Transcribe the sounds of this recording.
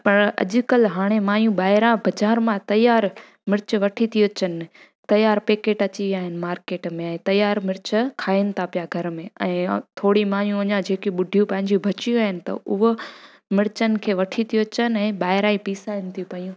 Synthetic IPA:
pɐɾɐ̰ʄʊkɐlɦaːɽ̃emaːɦijũɓaːɦɪɾabɐd͡ʑaːɾmãt̪ɐjaːɾ | mɪɾɪt͡ɕʋɐʈʰit̪ʰijot͡ɕən | t̪ɐjaːɾpeːkeːʈɐt͡ɕiʋiaːɦɪnɪ̆maːɾkeːʈmẽɛ̃ːt̪ɐjaːɾmɪɾt͡ɕkʰaːiɪnɪ̆t̪ʰapijaɡʱɐɾmẽɛ̃ːt̪ʰoːɽimaːɦijũʋɐɲãd͡ʑeːkiɓʊɖʱijũpɐ̃ɦɪ̃ɲd͡ʑũbʱɐt͡ɕijuaːɦɪnɪ̆t̪ɐ̰ʔʊɦo | mɪɾt͡ɕənɪ̆kʰeːʋɐʈʰit̪ʰijot͡ɕənɪɛ̃ːɓaːɦɪɾaːipiːsaːjənɪ̆t̪ʰijupɐjũː

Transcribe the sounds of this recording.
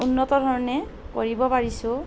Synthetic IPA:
unːɔt̪ɔdʱɔɹɔnɛ | kɔ̰ɹibɔpaɹisʊ̃

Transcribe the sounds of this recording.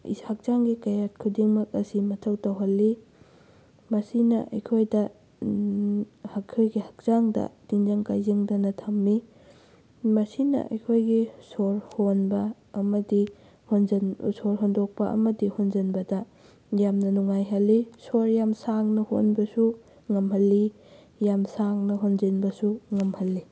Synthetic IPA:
hak̚z̥aŋɡikɐjat̚kʰudiŋmɐk̚ɐsimɐtʰɐwtawɦɐlːi | mɐsinɐ̰ʔɐ̰jkʰojdɐ | hakʰojɡihɐk̚z̥aŋdɐ̰d̥inzɐŋkajziŋdɐnɐtʰɐmːi | mɐsinɐ̰ʔɐ̰jkʰojɡisoɾhonbɐː | mɐdi | hnsoɾɦondok̚pɐʔɐ̰mɐdihonzɐnbɐdɐ | jamnɐnuŋajɦɐlːisoɾjamsaŋnɐho̰nbɐsu | ŋɐmɦɐlːi | jamsaŋnɐɦonzinbɐsuŋɐmhɐlːi

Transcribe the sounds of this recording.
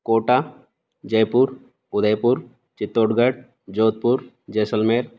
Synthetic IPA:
koːʈa | d͡ʒəjpuɾ | ʊd̪əjpʊɾ | t͡ʃɪt̪ːoːɖɡəʈ̚ | d͡ʒoːt̪̚pʊɾ | d͡ʒeːsəlmeːɾ

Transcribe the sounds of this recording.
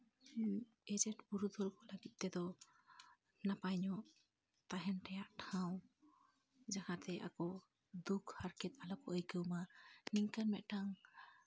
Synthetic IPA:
ɛd͡ʒɛʈbuɾud̪ʱɔlkɔləɡit̪̚ˀt̪ɛd̪ɔ | napajɲɔʔ | t̪aɦɛnʈɛjaʔʈʰaw̃ | d͡ʒahat̪ɛʔa̰kɔ | d̪ukhaɾkɛt̪̚alapɔʔəjkəwmaniŋkanmɛʔ̪̚ʈaŋ

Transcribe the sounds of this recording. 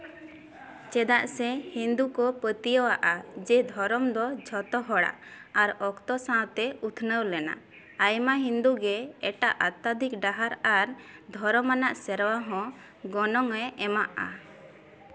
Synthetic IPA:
t͡ʃɛd̪aʔsɛhind̪ukɔpət̪ijɔwaʔad͡ʒɛd̪ʱɔɾɔmd̪ɔd͡ʒʱɔt̪ɔɦɔɽa̰ʔaɾɔkt̪ɔsãwt̪ɛut̪ʰnəwlɛna̰ | ajmaɦĩnd̪uɡɛɛʈaʔat̪ːad̪ʱikɖaɦaɾaɾd̪ʱɔɾɔmanaʔsɛɾwaɦɔ̃ | ɡɔnɔŋɛɛmaʔa̰

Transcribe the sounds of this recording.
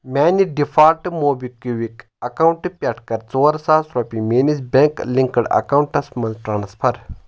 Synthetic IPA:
mʲaːniɖifʰaːɾʈɨmoːbikiʋik | ɐkawɳʈɨpʲɐʈkɐɾt͡soːɐɾsaːsɾopimeːnis̬bʲeŋkliŋkɐɽɐ̰kaːwuɳʈɐsmɐnzʈɾaːnspʰɐɾ

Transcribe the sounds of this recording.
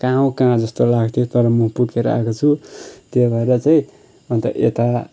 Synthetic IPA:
kãɦaw̃kããd͡zʌst̪olaɡt̪ʰjot̪ʌɾʌmʌ̃pukeɾʌ̰a̰kot͡sʰut̪jebʱʌeɾʌt͡saĩ | ʌnt̪ʌʔḛt̪a

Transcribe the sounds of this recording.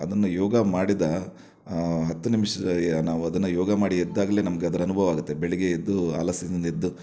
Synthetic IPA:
ɐd̪ɐnːujɔːɡɐmaːɽid̪ɐ | ɦɐt̪ːunimʂɐnaːʋuɐd̪ɐnːɐjɔːɡɐmaːɽiɛd̪ːaːɡɐleːnɐmɐɡeɐd̪ɐɾɐnubʱɐʋaːɡut̪ːe̞beɭiɡeed̪ːua̰ːlɐsinnd̪ed̪ːu

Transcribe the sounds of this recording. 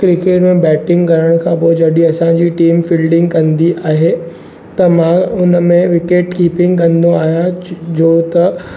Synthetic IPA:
kɾɪkeːʈmẽbɛːʈɪ̃ŋɡkɐɾəɽ̃kʰãːp̬oɪd͡ʑɐɗiɐsãd͡ʑiːʈiːmfiːlɖɪ̃ŋɡkɐ̃nd̪iʔaːɦe | t̪ɐmãʊnə̆mẽʋɪkeːʈkiːpɪ̃ŋɡkɐ̃nd̪oaːɦijad͡ʑoːt̪ɐ

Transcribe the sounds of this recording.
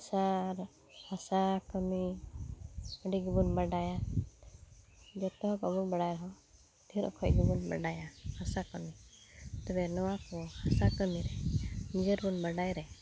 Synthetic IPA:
saɾ | hasakəmi | ɔɖiɡibunbəɖaja | d͡ʒɔt̪ɔɦɔ̃pɔbunbəɽajɾɔɦɔ | d̪ʱiɾɔ̰kʰɔjɡibunbə̰ɖajahasakɔmit̪ɛbɛnɔwakɔhasakəmiɾɛnid͡ʒəɾbunbəɖajɾɛ

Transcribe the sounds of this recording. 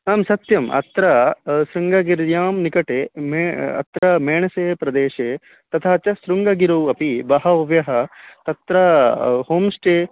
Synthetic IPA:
naːmsɐt̪jɐmɐ̰t̪ɾɐsɾuŋɡɐɡiɾjaːmnikɐʈeːmeɐ̰t̪ɾɐmeːɳɐseːpɾɐd̪eːʃeː | t̪ɐt̪ʰaːt͡ʃɐsɾuŋɡɐɡiɾɐwɐpibɐɦɐɐʋjɐɦɐt̪ɐt̪ɾɐhoːmsʈeː

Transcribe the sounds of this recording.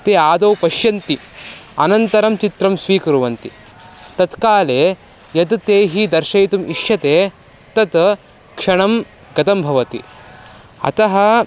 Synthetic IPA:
t̪eːaːd̪ɐwpɐʃjɐnt̪iɐnɐnt̪ɐɾɐmt͡ʃit̪ɾɐmsʋiːkɐɾuʋɐnt̪i | t̪ɐt̪kaːleː | jɐd̪t̪eːɦid̪ɐɾʃɐjt̪umiʃjɐt̪eː | t̪ɐt̪ | kʂɐɳɐm | ɡɐt̪ɐmbʱɐʋɐt̪ḭ | ɐ̰t̪ɐɦɐ̆

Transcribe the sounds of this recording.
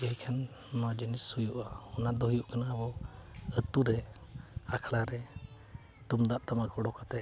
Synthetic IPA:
əɦjkʰɛn | nɔwad͡ʒinisujuʔaɔnad̪ɔɦujuʔkanaəbɔət̪uɾɛ | akʰlaɾɛ | t̪umd̪aʔt̪amakɔɽɔkat̪ɛ

